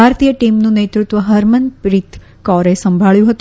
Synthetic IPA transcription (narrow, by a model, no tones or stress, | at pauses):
aɾt̪ijəʈimnũnet̪ɾut̪ʋəɦəɾmənpɾit̪ | kɔɾesəmbʱaɭjũɦət̪